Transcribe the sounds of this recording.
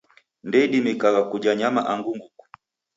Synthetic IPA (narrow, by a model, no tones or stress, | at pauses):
ndɛiɗimikaɡakud͡ʒaɲamaʔaŋɡuŋɡuku̥